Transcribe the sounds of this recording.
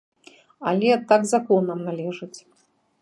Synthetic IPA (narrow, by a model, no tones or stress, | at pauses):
ɐlʲɛt̪aɡzakɔnɐmnalʲɛʐɨt͡sʲ